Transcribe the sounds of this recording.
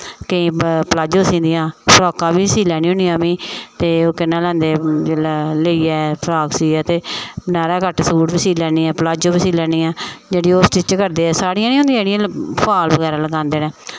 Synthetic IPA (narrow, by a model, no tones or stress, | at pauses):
kəĩːpəlaːd͡ʒõːsĩːnd̪ijãːpʰɾɔːkãːbiːsiːlɛːnĩːõːniːãːmĩːt̪eːoːkɪnːãːlɛ̃ːnd̪eːd͡ʒeːlːləiːɛːpʰəɾaːksiːɛːt̪eːnaːɾãːkəʈsuːʈbiːsiːlɛːniːɛ̃ːpəlaːd͡ʒõːbiːsiːlɛːniːãːd͡ʒeːɽiːoːst͡ʃiːt͡ʃkəɾd̪eːɛːsaːɽiːãːnĩːõːnd̪ĩãd͡ʒeːɽijãːpʰaːlbəɡɛːɾãːləɡãːnd̪eːnẽː